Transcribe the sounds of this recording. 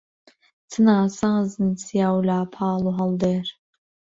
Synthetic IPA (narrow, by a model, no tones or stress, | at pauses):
t̪ʰɨnaːsaːzɨnsijaːwlaːpʰɑːluɦɐld̪eːɾ